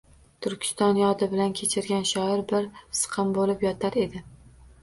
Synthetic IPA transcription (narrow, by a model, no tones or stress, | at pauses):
t̪ʰʊɾkʲʰɪ̥st̪ɒnjɒd̪ɪbɪlankʲʰe̞t͡ʃʰɪɾɡʲanʃɒɪɾbɪɾsɨ̥qʰɨmbolɪpjɒt̪ʰaɾe̞d̪ɪ